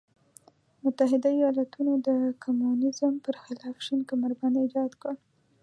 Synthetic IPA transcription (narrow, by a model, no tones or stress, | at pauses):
mʊt̪aɦɪd̪aijɑlat̪unod̪əkumunɪzəmpəɾxɪlɑfʃinkamaɾband̪id͡ʒɑd̪kəɽ